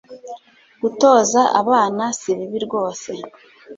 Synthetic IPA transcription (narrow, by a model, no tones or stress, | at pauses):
ɡ̥uto̞ːzaʔa̰βaːnasiβiβiɾɡo̞ːse̞